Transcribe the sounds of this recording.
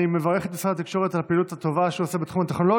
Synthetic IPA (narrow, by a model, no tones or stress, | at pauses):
imevaʁeχet̪osaat̪ikʃo̞ʁet̪alpiːlut̪at̪o̞vaʃuosebet̪χumat̪eχnolo̞